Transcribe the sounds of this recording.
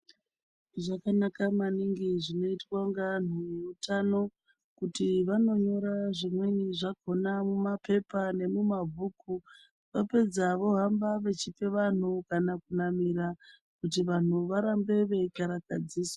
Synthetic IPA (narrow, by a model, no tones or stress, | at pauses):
ʐakanakamaniŋɡiʐino̞itwaŋɡan̤ujeutano̞ | kutiʋano̞ɲo̞ɾaʐimwe̞ɲiʐaɡʱo̞namumape̞pane̞mumavʱuku | ʋape̞d͡zaʋo̞ɦambaʋe̞t͡ʃipe̞ʋan̤ukanakunamiɾa | kutiʋan̤uʋaɾambe̞ʋe̞ikaɾakad͡ziːswa